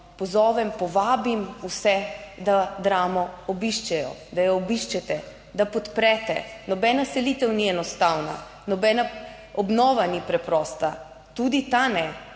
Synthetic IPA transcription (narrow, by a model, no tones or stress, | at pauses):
pɔzɔːʋɛmpɔʋaːbimusɛd̪ad̪ɾaːmɔɔbiʃt͡ʃɛjɔ̰d̪ajɔːbiʃt͡ʃɛt̪ɛ | d̪apɔt̪pɾɛt̪ɛ̰nɔbɛnasɛliːt̪ɛwniɛnɔst̪awna̰ | nɔbɛna | ɔbnɔːʋanipɾɛpɾɔːst̪a | t̪ud̪it̪anɛ